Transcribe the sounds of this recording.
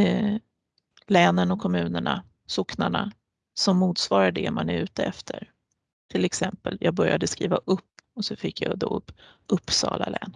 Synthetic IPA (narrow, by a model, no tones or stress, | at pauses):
lɛːnənɔkʰɔmʉ̟ːnəɳa | sʊknaɳa | sɔmːuːt̪svɑːɾaɖɛmanɛɾʉ̟ːt̪əɛft̪ʰəɾ | t̪ʰɪlɛksɛmpəljɑːɡ̚bœɾjad̪əskɾiːvaʔɵpːɔsɔfɪkːjɑd̪oɵpː | ʔɵpːsɑ̰ːlalɛːn